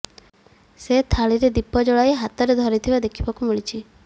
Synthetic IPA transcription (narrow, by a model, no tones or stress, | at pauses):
set̪ʰaɭiɾed̪ipɔd͡ʒɔɭajɦat̪ɔɾed̪ʱɔɾit̪ʰibad̪ekʰi̥bakumiɭit͡ʃʰi